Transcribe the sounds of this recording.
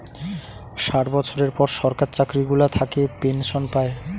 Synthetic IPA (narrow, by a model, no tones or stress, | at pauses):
ʃaʈbɔt͡ɕʰoɾeɾpɔɾʃɔɾkaɾt͡ɕakɾiɡulat̪ʰakepenʃonpae